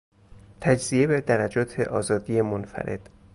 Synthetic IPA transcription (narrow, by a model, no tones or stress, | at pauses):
t̪ʰæd͡ʒziebed̪æɾæd͡ʒɒːt̪ʰe̞̰ʔɒːzɒːd̪ijemonfæ̰ɾʔe̞̰d̪̥